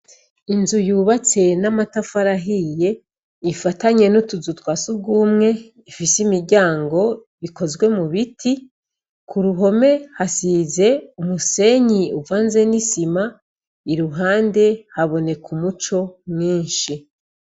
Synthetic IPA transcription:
inzujuːβat͡se̞namatafaɾaɦije̞ | ifataɲe̞nutuzutwasub̚ɡuːmŋe̞ | ifisimiɾɟaːŋɡo̞ | iko̞zɡwe̞muβitʰi | kʰuɾuɦo̞me̞hasize̞umuse̞ɲiuvaːnze̞nisima | iɾuɦaːnde̞haβo̞ne̞kʰumut͡ʃo̞mŋiːnʃi

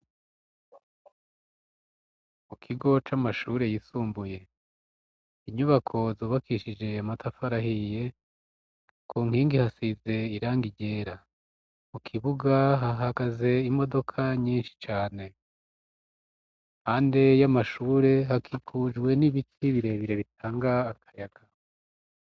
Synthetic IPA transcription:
mukʰiɡo̞t͡ʃamaʃuːɾe̞jisuːmbuje̞ | iɲuβakʰo̞zoːβakʰiʃid͡ʒe̞amatʰafaɾahije̞ | kʰuːŋhiːŋɡihasize̞iɾaːŋɡiɟe̞ːɾa | mukʰiβuɡaɦaɦaɡaze̞imo̞do̞kʰaɲiːnʃi̥t͡ʃaːne̞ | haːndejamaʃuːɾe̞ɦakʰikʰuːd͡ʒɡwe̞niβitʰiβiɾe̞βiɾe̞βit̚ʰaːŋɡaːkʰḁjaɡ̥a

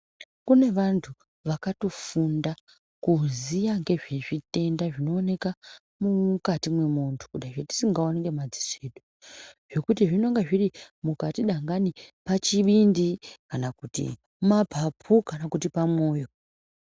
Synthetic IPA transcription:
kune̞ʋantʰu | ʋakatofunda | kuzijaŋɡe̞ʐeʐite̞ndaʐino̞ːne̞ka | mumkatimwe̞muntʰu̥kuɗaʐeti̥siŋɡaonekɡemad͡zi̥seɗo | ʐ̥o̞kutiʐino̞ŋɡeʐirimukatiɗaŋɡanipat͡ʃiɓindikanakutḭ | mapʰapʰukanakutipamwo̞ːjo̞

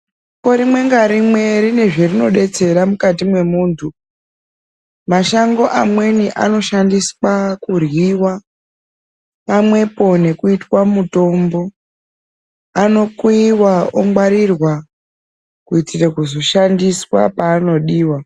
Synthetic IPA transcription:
ko̞ɾimwe̞ŋɡaɾimwe̞rine̞ʐerino̞ɗe̞t͡se̞ɾamukatimwe̞muːntʰu | maʃaŋɡo̞ʔamwe̞niʔa̰no̞ʃandiswakurwiwa | mamwe̞po̞ne̞kuitwamuto̞mbo̞ | no̞kwiwaoŋɡwaɾirwa | kuitirekuzo̞ʃandiswa̰paːno̞ɗiːwa

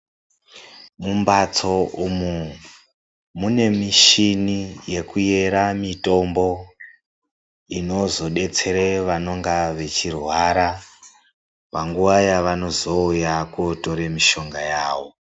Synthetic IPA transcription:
mumbat͡so̞umu | mune̞miʃinije̞kuje̞ɾamito̞mbo̞ | ino̞zo̞ɗe̞t͡se̞ɾeʋano̞ŋɡaʋe̞t͡ʃirwaɾa | paŋɡuʋajaʋano̞zo̞ujakoto̞ɾemiʃo̞ŋɡajaːʋo̞

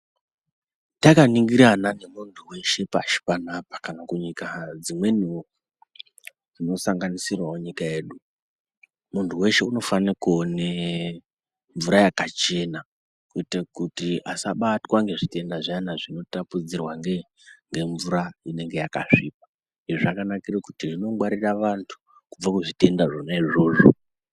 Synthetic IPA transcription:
takaniŋɡiɾanane̞muntʰuwe̞ʃe̞pa̰ʃi̥panapḁkanakuɲikad͡zimwe̞niwo | d͡zino̞saŋɡanisirwaoɲikaje̞ːɗu | muntʰuwe̞ʃe̞uno̞fanikone | ɱvuɾajakat͡ʃe̞na | kuitekutiʔasaɓatwaŋɡe̞ʐite̞ndaʐanaʐino̞tapud͡zirwaŋɡe | ŋɡe̞ɱvuɾaine̞ŋɡe̞jaka̰ʂiːp̚ḁ | iʐʐakanakirekutirino̞ŋɡwaɾiraʋantʰu̥ | kub͡vakuʐite̞ndaʐonaiʐo̞ːʐo

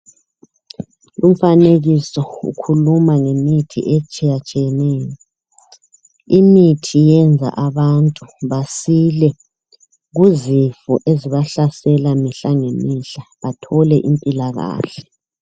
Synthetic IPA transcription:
lum̩faneɣisɔṵkʰulumaŋemitʰḭʔet͡ʃʼijat͡ʃʼijɛnɛːjɔ | imitʰijɛnd͡zʱa̰ʔaβantʼuβasilɛ | ɣuzifɔʔeziβaɬasɛlamiɬaŋemiɬaβatʰɔlɛʔimpʼilaɣa̰ːɬɛ

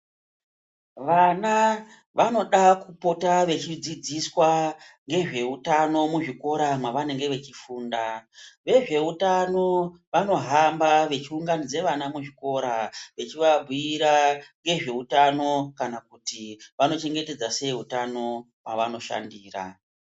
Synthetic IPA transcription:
ʋana | ʋʔano̞ɗakupo̞taʋe̞t͡ʃid͡zid͡ziswaŋɡe̞ʐe̞utano̞muʐiko̞ɾamwaʋane̞ŋɡe̞ʋe̞t͡ʃifuːndaʋe̞ʐe̞utano̞ | ʋano̞ɦambaʋe̞t͡ʃiuŋɡanid͡ze̞ʋanamuʐiko̞ɾaʋe̞t͡ʃiʋabʱiiɾaŋɡe̞ʐe̞utano̞kanakutiʋano̞t͡ʃe̞ŋɡe̞te̞d͡zase̞ɦutano̞ | mwaʋano̞ʃa̰ndiːra̰

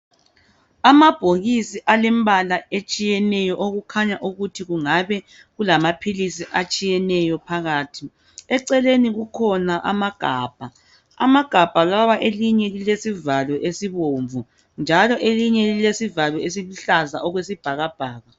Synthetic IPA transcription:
amab̥ʱoɣisiʔalɛmbalaet͡ʃʼijɛnɛjɔʔoɣukʰaɲaʔuɣutʰiɣuŋaβɛ | ɣulamapʰilisiʔat͡ʃʼijɛnɛjɔpʰaɣaːtʰi | ɛǀɛleniɣukʰɔnaʔa̰maɡ̥ʱaːb̥ʱa | a̰maɡ̥ʱab̥ʱaɣaβaʔeliɲɛlilesivalɔʔesiβoɱvu | nd͡ʒʱalɔʔeliɲɛlilesivalɔes̬iluɬazaʔɔɣwesib̥ʱaɣab̥ʱaːɣa

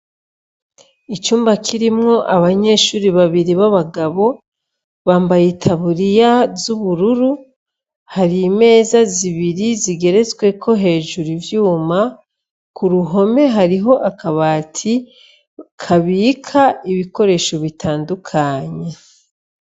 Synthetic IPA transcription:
it͡ʃuːmbakʰiɾimŋo̞ʔaβaɲe̞ːʃuːɾiβaβiɾiβaβaɡaβo̞ | βaːmbajetʰaβuɾijazuβuɾuɾu | haɾiːme̞ːzaziβiɾiziɡe̞ɾe̞zwe̞kʰo̞ɦe̞ːʒuɾivjuːma | kuɾuɦo̞me̞ɦaɾiɦo̞ʔakaβaːtʰi | kʰaβiːkʰaiβiko̞ɾe̞ʃo̞βitʰaːndukʰaɲe

